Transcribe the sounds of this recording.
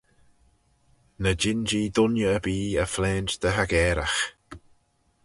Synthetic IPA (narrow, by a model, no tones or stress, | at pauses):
nəd͡ʒɪnd͡ʒiːd̪ʊnjəəbiːəflɛːnt͡ʃd̪̥əɦaɡɛːɾax